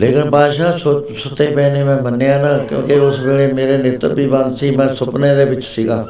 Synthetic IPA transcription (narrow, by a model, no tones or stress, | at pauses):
leːkɪnpaːʃaːsosʊt̪ːeːpɛ̃ːneːmɛ̃ːmənːeːaːnãːkjõ̰ːkeʊsbeːleːmeːɾeːnɪt̪əbiːbansiːmɛ̃ːsʊpneːd̪eːbɪt͡ʃsiːɡaː